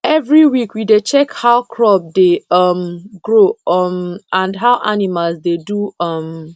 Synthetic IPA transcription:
ɛvɹiwikwidet͡ʃɛkhaʊkʰɹɔb̚deʌmɡɹoʌmãndɦaʊʔa̰nimalzdeduʌm

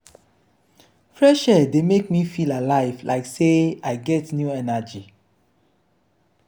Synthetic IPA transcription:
fɹɛʃɛdemekmifilalaɪvlʔa̰ɪkseaɪɡɛtnjuɛnad͡ʒi

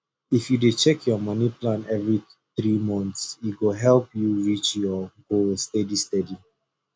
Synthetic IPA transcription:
ifjudet͡ʃɛkʰjɔmʌniplãnɛvɹi | θɹimɔ̃nt̪sjiɡoɦɛlpjuɹit͡ʃjɔɡostɛdistɛdi

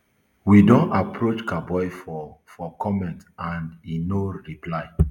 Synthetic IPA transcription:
widõnapʰɹot͡ʃkabɔjfɔfɔkʰɔmɛ̃ntãndinoɹiplaɪ

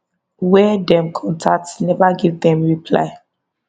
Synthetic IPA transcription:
wɛdɛ̃mkʰɔ̃ntʰak̚tsnɛvaɡivdɛ̃mɹipʰla̰ɪ

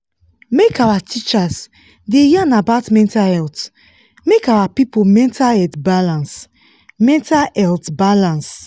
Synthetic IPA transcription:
mekawatʰit͡ʃas | dejiãnabaʊtmɛ̃ntahɛlt | mekawapipomɛ̃ntʰaɛtbalãns | mɛ̃ntaɛltbalãns

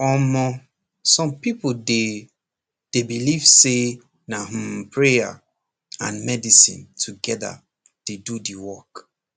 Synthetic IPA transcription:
ɔmɔ | sɔ̃mpipode | d̥ebiliv̥se | nah̩mpʰɹeja̰ | ã̰nmɛdisḭ̃ntʰuɡɛda̰ | d̥edudiwɔk

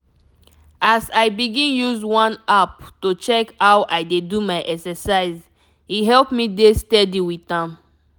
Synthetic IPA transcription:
asaɪbiɡĩnjuzwãnap̚tot͡ʃɛkhawʔaɪdedumaɪʔɛksɛsaɪz | hiɦɛlpmidestɛdiwitãm

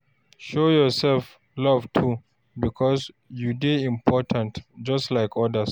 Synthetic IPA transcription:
ʃojɔsɛlf | lʌvtʰu | bikʰɔz | judeĩmpʰɔtʰãntd͡ʒʌstlaɪkʰɔdəs

